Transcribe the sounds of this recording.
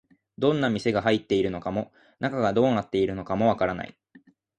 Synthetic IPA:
d̪õ̞nːamʲise̞ɡaɦait̪ːe̞iɾɯ̟no̞kamo̞ | nakaɡad̪o̞ːnat̪ːe̞iɾɯ̟no̞kamo̞β̞akaɾana̰ḭ

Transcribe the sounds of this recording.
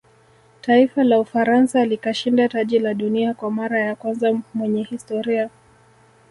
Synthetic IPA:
taifalaufaɾansalikaʃindataʄilaɗuniakwamaɾajakwanzamwɛɲɛhistɔɾia

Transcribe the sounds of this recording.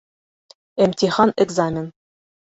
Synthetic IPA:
æmt̪ʲiχɑneɡzamʲɪn

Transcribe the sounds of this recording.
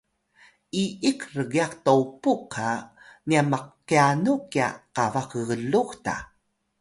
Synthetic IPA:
ʔiikrəɣiaktowpukʰa | niamaqː | ianukia̰qavakəɣəluxta̰

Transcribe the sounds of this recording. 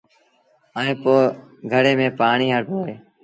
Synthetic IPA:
aːẽːpoːɡʱəɽeːmẽːpaːɳiːɦəɾpoːɦeː

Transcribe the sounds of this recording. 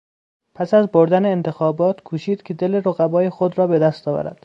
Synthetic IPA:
pʰæsæzboɾd̪æneːnt̪ʰe̞xɒːbɒːt̪kʰuːʃiːd̪̥cʰe̞d̪e̞le̞ɾoɣæbɒːjexod̪ɾɒːbe̞d̪æst̪ɒːvæ̰ɾæ̰d̪̥

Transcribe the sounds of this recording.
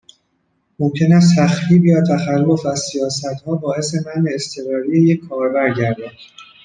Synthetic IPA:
mo̞mcʰe̞næs̬t̪ʰæxɾiːbjɒːt̪ʰæxælːo̞fæzsijɒːsæt̪hɒːbɒːʔe̞se̞mæneːst̪ʰe̞ɣɒːɾijejecʰːɒːɾbæɾɟæɾd̪æd̪̥

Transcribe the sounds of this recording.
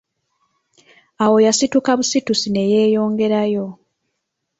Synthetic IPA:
awo̞jasitukaβusitusine̞je̞ːjo̞ːŋɡe̞ɾajo̞

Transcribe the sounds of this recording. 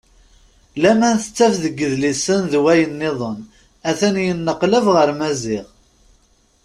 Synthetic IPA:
læmænθət͡sːæfðəɡːəðlisənðwæjənːɪðˤon | æθænjənːəqləvʁəɾmæzɪʁ

